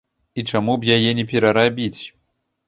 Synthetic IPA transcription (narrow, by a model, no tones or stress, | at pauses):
it͡ʂamubjajɛnʲɛp̬ʲɛɾɐɾabʲit͡sʲ